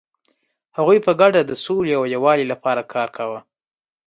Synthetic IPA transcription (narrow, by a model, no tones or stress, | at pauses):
haɣujpəɡaɖad̪əsoliawjawɑlilapɑɾakʰɑɾkʰawə